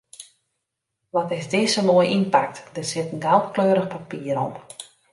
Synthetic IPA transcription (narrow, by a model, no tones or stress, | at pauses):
ʋɔtɪzdɪːsəmoəjʔinpak̚td̥ərsɪtən̩ɡalˠtkløːɾəxpapiəɾɔm